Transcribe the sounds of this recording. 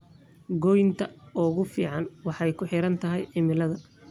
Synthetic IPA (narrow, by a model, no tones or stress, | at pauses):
ɡɔjnt̪ʰɐɔːɣʊfiːʕɑnwɑħɛjkʰʊħɪɾɐnt̪ʰɐɦɛjɪmɪlɐðɐ